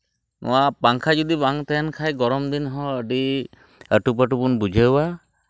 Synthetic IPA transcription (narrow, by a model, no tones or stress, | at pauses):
nʔʊ̰wapaŋkʰazɔd̪ibaŋt̪ɛnkʰajɡɔɹɔmd̪inɦɔəɖi | əʈup̬əʈubunbud͡ʒʱawa